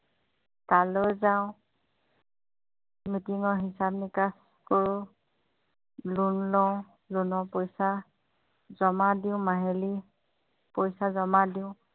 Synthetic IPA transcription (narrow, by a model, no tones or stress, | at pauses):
talojzaʊ̃ | mitiŋɔɹɦisabnikas | koɹʊ | lunlɔw | lunɔpojsa | zɔmadiʊ̃maɦeli | pojsazɔmadiʊ̃